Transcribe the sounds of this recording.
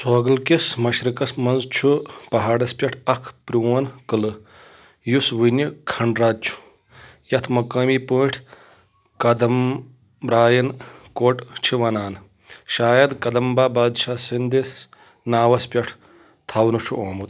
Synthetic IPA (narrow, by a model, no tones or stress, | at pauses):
soːɡɐlkismɐʃɾɨkɐsmɐnzt͡ʃʰupɐɦaːɽɐspʲɐʈʰɐkʰpɾioːnkɨlɨ | jusʋinjɐkʰɐɳɖɾaːd̪̚t͡ʃʰu̥ | jɐt̪ʰmɐkɐːmiːpuːʈʰ | kɐd̪ɐm | ɾaːjɐnkoːʈt͡ʃʰiʋɐnaːn | ʃaːjɐd̪kɐd̪ɐmbaːbaːd̪ʃasind̪i | naːʋɐspʲɐʈʰ | t̪ʰɐwnut͡ʃʰuʔoːmut̪